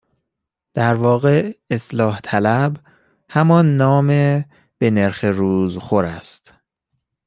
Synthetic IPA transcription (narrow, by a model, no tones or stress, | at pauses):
d̪̥æɾvɒːɣe̞eslɒːht̪ʰælæb | hæmɒnːɒːme | b̥e̞ne̞ɾxeɾuːzxoɾæst̪